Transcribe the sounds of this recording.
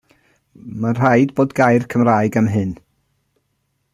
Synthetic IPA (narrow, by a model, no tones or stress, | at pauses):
mar̥aɨdboːdɡajrkʰəmraɨɡamɦɨn